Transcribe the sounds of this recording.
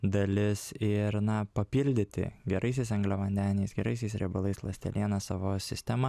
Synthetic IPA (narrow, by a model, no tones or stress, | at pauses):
d̪ɐlʲɪsɪɾnɐpɐpʲiːlʲd̪ʲɪt̪ʲɪ̰ɡʲɛɾʔɐɪsʲɛɪsɐŋɡlʲɛʋɐnʲd̪ʲæːnʲɛsɡʲɛɾɐɪsʲɛɪsɾʲɛ̰bʊlˠɐɪslˠɐsʲt̪ʲɛ̰lʲʔiɛnɐsɑʋoːsʲɪsʲt̪ʲɛmɐ